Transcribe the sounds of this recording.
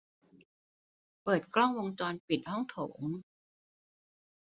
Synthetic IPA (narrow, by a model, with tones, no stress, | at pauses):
pɤː˨˩t̪̚klɔ˥˩ŋwo˧ŋt͡ɕɔː˧npi˨˩t̪̚hɔ˥˩ŋt̪ʰoː˩˦ŋ